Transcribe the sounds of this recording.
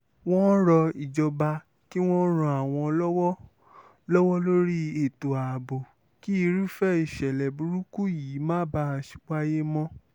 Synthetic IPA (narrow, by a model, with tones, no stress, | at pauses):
w̃ɔ̃˦ɾɔ˧i˨d͡ʒɔ˧ba˧ | ki˦w̃ɔ̃˦ɾɔ̃˧a˨w̃ɔ̃˧lɔ˦wɔ˦ | lɔ˦wɔ˦lo˦ɾi˦e˨to˨a˨bo˨ | ki˦i˧ɾu˦fɛ˦i˦˨ʃɛ˨lɛ˨bu˨˦ɾu˦ku˦ji˨˦mãː˦ba˦˧ʃi̥˦k͡pa˦je˦mɔ̃˦